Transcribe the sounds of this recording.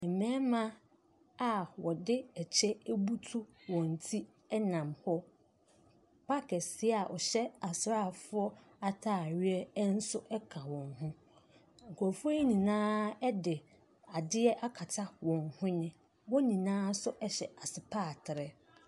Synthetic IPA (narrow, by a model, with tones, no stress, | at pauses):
ɛ˨mɛ̃ː˦mã˦ | a˨wɔ˨dɪ˦ɛ˨t͡ɕʰɛ˦e˦bu˦tʰu˦wɔ̃˨n˨tʰi˦ | ɛ˦nã˨mhɔ˦ | pʰa˦kʰɛ˨sɪ˦a˨ʔɔ˨ɕɛ˦a˨sɾa˦˨fʊ˦ɔ˦ | a˨tʰaː˦˨ɥɪ˦ɛ˦n̩˦sʊ˦ʔɛ˦kʰa˨wɔ̃˨ŋhũ˦ | ŋ̩˨kʰɔ˨fɔ˦i˦nĩ˨nãː˦ɛ˦dɪ˨ | a˨dɪ˦ɛ˦ʔa˦kʰa˨tʰa˦wɔ̃˨ŋhʊ̃˦nɪ̃˦ | wɔ˦nĩ˨nãː˦sʊ˦ʔɛ˦ɕɛ˨a˨sɪ˨pʰaː˦˨tʰɪ˨ɾɛ˨